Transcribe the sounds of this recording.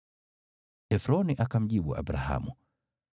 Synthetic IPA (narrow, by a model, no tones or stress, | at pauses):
ɛfɾɔniʔakam̩ʄiɓuʔa̰bɾa̰ha̰mu